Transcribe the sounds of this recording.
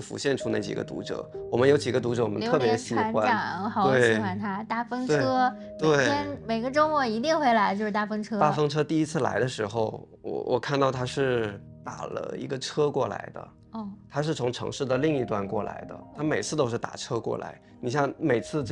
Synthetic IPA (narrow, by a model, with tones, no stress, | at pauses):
fṵ˧˥ɕjɛ˥˧nʈ͡ʂʰu˥na˥˩t͡ɕḭ˨˩ɡə̰˦t̪ṵ˧˥ʈ͡ʂɤ̰˨˩˦wɔ˨˩mə˦njo˧˥ʊt͡ɕi˨˩ɡə˧˦t̪u˧˥ʈ͡ʂɤ˧˥wɔ˨mə̰˦ntʰɤ˥˩pjɛ˧˥ɕi˨˧˥nxwa˦˨˩xɑ˨˧˩t̪we˥˩ɪ˥wa˥˩nt̪ʰa˥t̪a˥˩fɤ˥ŋt̪ʈ͡ʂe˧ɤ˥ | mwe˥˩ɪjɛ˥nme˨˩ɪɡə˧˦ʈ͡ʂo˥mwɔ˥˩i˧˥t̪i˥˧ŋxwe˥˩ɪla˧˥ɪt͡ɕjo˥˧ʊʂɻ̩˥˩t̪a˥˩fə˥ŋʈ͡ʂʰɤ˥t̪a˥˩fɤ˥ŋʈ͡ʂʰɤ˥t̪i˥˩i˧˥t͡sʰɹ̩˥˩la̰˧˥ɪd̪ə˧ʂɻ̩˧˥xo˥˧ʊ | wɔ̰˨˩wʔɔ̰˨˩kʰa˥˧nt̪ɑ˥˩ʊt̪ʰa˥ʂɻ̩˥˩ | t̪a̰˨˩lə̰˦ḭ˧˥ɡə˧ʈ͡ʂʰɤ˥kwɔ˥˩la̰˧˥ɪd̪ə̰˧˥˧ | t̪ʰa˥ʂɻ̩˥˩t͡sʰʊ˧˥ŋʈ͡ʂʰɤ̰˧˥ŋʂɻ̩˥˩d̪ə˩li˥˧ŋi˧˥t̪wa˥˧nkwɔ˥˩la̰˧˥ɪd̪ə̰˧t̪ʰa˥me˨˩ɪt͡sʰɹ̩˥˩t̪o˥ʊʂɻ̩˥˩t̪a̰˨˩ʈ͡ʂʰɤ˥kwɔ̰˥˩la̰˧˥ɪ | ni˨˩ɕ̬jɑ˥˩ŋme˨˩ɪt͡sʰɹ̩˥˧˥